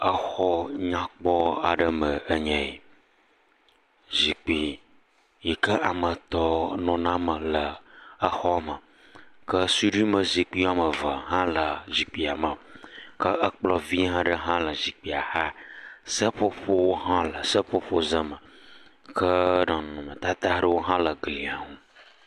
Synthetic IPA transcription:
ə˦xɔ˦ɲã˦k͡pɔ˦a̰˨ɖə˦mə˨ʔə˦ɲɛ̃˦˨e˨ | zi˨k͡pi˨ | jɛ˨kə˦ʔa˨mə˨t̪ɔ˦nɔ̃˨nã˦mə˨lə˨ə˦xɔ˦˨mə˨ | kə˦su˦ɖi˦mə˨zi˨k͡pi˦a˦˨mə˨və˨ɦã˦lə˨zi˨k͡pi˨a˨mə˨kə˦ʔə˦k͡plɔ˦vi˦ɦã˦ɖə˦ɦã˦lə˨zi˨k͡pi˨a˨ha˦sə˦ɸo˦ɸo˦wo˦ɦã˦lə˨sə˦ɸo˦ɸo˦zə˦mə˨ | kʰə˦ɖɔ̃˨nnũ˨mə˨t̪a˦t̪a˦ɖə˦wo˦ɦã˦lə˨ɡli˨a˨ŋũ˦

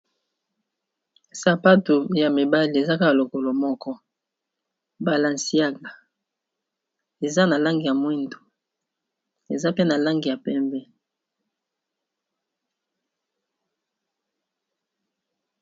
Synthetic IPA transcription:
sa˨pa˦tu˨ja˨mi˨ba˦li˨e˨za˦ka˦a˨lo˨ko˨lo˨mɔ˦kɔ˦ | ba˨la˨n˨si˦a˦ɡa˨ | e˨za˦na˨la˦ŋɡi˨ja˨mwi˦ndo˨ | e˨za˦pe˦na˨la˦ŋɡi˨ja˨pɛ˦mbɛ˦

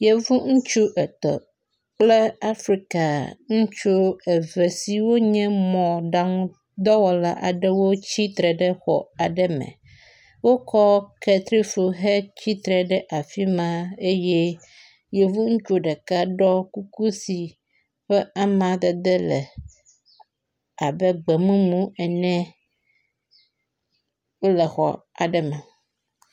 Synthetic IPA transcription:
je˨vu˦ŋũ˦t͡ʃu˦ʔɛ˨t̪ɔ̰˨ | k͡plɛ˦a˦fɾi˦ka˨ŋũ˦t͡ʃu˦ɛ˨ve˨si˦wo˦ɲɛ̃˦mɔ̃˨ɖa˦ŋ | d̪ɔ˦wɔ˨la˦ʔa̰˨ɖɛ˦wo˦t͡ɕi˦t̪ɾɛ˨ɖɛ˦xɔ̰˨a˨ɖɛ˦mɛ̰̃˨ | wo˦kʰɔ˦kɛ˨t̪ɾi˦fu˨ɦɛ˦t͡ɕi˦t̪ɾɛ˨ɖɛ˦ʔa˨fi˦mã˨e˦je˦ | je˨vu˦ŋ̩˦t͡ʃo˦ɖɛ˨ka˦ɖɔ˦ku˦ku˦si˨ | ɸɛ˦a˦mã˨d̪e˨d̪e˦lɛ̰˨ | a˨bɛ˦ɡ͡bɛ˨mũ˦mũ˦ɛ˨nɛ̃˦ | wo˦lɛ˨xɔ̰˨ | a̰˨ɖɛ˦mã˨

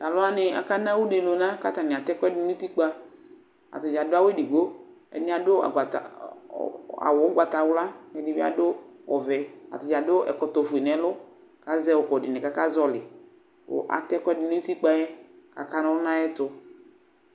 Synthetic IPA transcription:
ta˨lʊ˦a˦nɪ˨a̰˨ka˦na˦wu˦de˨lo˨na˦ka˦ta˨nɪ˨a˨tɛ˦kʷɛ˦dʊ˦nu˦ti˦k͡pa˦ | a̰˨tɪ˨d͡ʒa˨dʊ˦a˦we˦di˨ɡo˦ | ɛ̰˨nɪ˦a˨dʊ˦a̰˨ɡʷa˨ta̰˨ | a̰˨wɔ˨˦ɡʷa˨ta˨wla˦kɛ˨dɪ˨bi˦a̰˦dʊ˦ɔ˨vɛ˨a̰˨tɪ˨d͡ʒa˨dʊ˦ɛ̰˨kɔ˨tɔ˨fu˨e˨nɛ˨lʊ˦ | ka˦zɛ˦wʊ˨kɔ˨dɪ˨nɪ˨ka˦ka˦zɔ˦lɪ˨ | ʊ̰˨ʔa̰˨tɛ˦kɛ˦dʊ˨˦n˦u˦ti˦k͡pa˦jɛ˦a̰˨ka˦na˦ʊ˦na˦jɛ˦tʊ˨

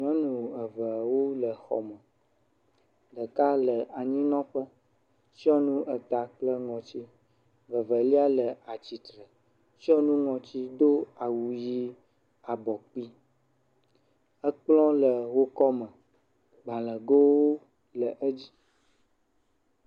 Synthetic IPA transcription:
ɲ˨ɔ̃˦nũ˨ə˨və˨wo˦lə˨xɔ̰˨mə˨ | ɖə˨ka˦lə˨a˨ɲĩ˦nɔ̃˦ɸə˦ | si˦ɔ˦nũ˦ʔə˨t̪a˨k͡plə˦ŋɔ̃˨t͡ɕi˦ | və˨və˨li˦a˦lə˨a˨t͡ɕi˨t̪ɾə˨ | si˦ɔ˦nũ˦ŋɔ̃˨t͡ɕi˦d̪o˦a˨wu˨ji˦ | a˨bɔ˨k͡pi˦ | ə˦k͡plɔ̃˦lə˨wo˦kɔ˦mə̃˨ | ɡ͡bã˨lə˨ɡo˦wo˦ | lə˨ʔə˦d͡ʑi˦

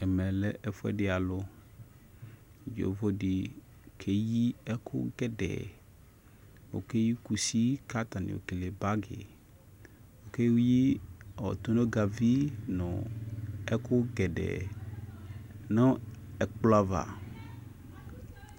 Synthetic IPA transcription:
ɛ˨mɛ̃˨lɛ˦ʔɛ˨fo˦ɛ̰˦ɖɪ˨a˨lo˦˨ | d͡ʒo̰˨vo˦ɖi˨ | kʰe˦ji˦ɛ˦kʰʊ̰˦ɡɛ˨ɖɛ̰˨ | wo̰˨ke˦ji˦ku˨si˦ka˦t̪a˨nḭ˨wo̰˨ke˨le˨ba˦ɡḛ˨ | wo˨ke˦wu˦ji˦˨ɔ̰˨t̪o˦nõ˦ɡa˨vi˦nɔ̰̃˨ | ɛ˦kʰʊ˦ɡɛ˨ɖɛ̰˨ | nɔ̃˦ɛ˨k͡pla˦va̰˨

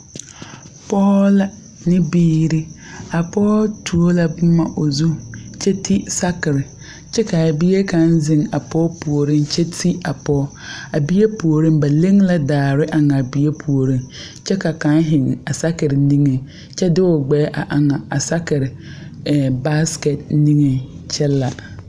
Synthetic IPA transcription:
pʰɔː˦la˦ | nɪ̃˦biː˦ɾi˦ | a˨pʰɔː˦tʰu˨o˦la˦b̩˦mã˦ʔo˨zu˦t͡ʃʰɛ˦tʰi˦sa˦kɪ˨ɾɪ˨ | t͡ʃʰɛ˦kʰa˨a˨bi˦e˦kʰã˦n˦zɪ̃˨ŋa˨pʰɔ˦pʰu˨o˨ɾɪ̃˦nt͡ɕʰɛ˦tʰi˦a˨pʰɔː˦ | a˨bi˦e˦pu˨o˨ɾɪ̃˦mba˨lẽ˦ŋla˨daː˨ɾɪ˦ʔa˨ŋa˨a˨bi˦e˦pʰu˨o˨ɾĩ˦n | t͡ʃʰɛ˦ka˨kã˦nɦɪ̃˨ŋa˨sa˦kɪ˨ɾɪ˨nĩ˦ŋẽ˨ | t͡ʃʰɛ˦dɪ˦wɔ˨ɡ͡bɛː˦ʔa˨ʔa˨ŋa˨a˨sa˦kɪ˨ɾɪ˨ | ɛ˨ba˦skɛ˨t̚nĩ˦ŋe˨t͡ʃʰɛ˦lːa˨

